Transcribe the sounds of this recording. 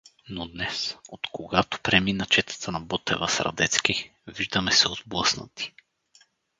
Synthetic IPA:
nod̪nɛsot̪koɡat̪o̥pɾɛminət͡ʃɛt̪ə̥t̪ənɐbɔt̪ɛ̰vəsɾɐ̰d̪ɛt̪sk̟i | viʒd̪əmɛsɛod̪blˠɤsnə̰t̪i̥

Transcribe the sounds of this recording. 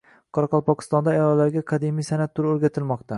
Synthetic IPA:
qʰɒɾɑqɒlˠpɒkʰɪ̥st̪ɒnd̪aːjɒlːaɾɡʲaqʰɑd̪imijsanat̪ʰːʊɾoɾɡʲat̪ʰɪlmɒqt̪ʰa

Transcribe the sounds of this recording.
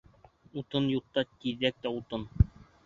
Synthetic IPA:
ut̪ɤnjut̪ːɑt̪iðːæk̚t̪æut̪ɤn

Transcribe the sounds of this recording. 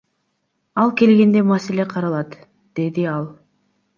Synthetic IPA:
ɑlˠke̞lɡʲe̞nd̪e̞maseleqʰɑɾɑlˠɑt̪ | d̪̥e̞d̪iɑlˠ

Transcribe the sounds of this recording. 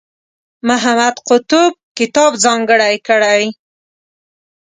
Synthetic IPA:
mʊɦamad̪qʊt̪ʊb̚kɪt̪ɑbzɑŋɡəɽajkəɽaj

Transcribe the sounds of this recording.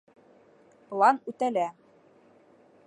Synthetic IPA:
plˠɑnʉt̪ælæ

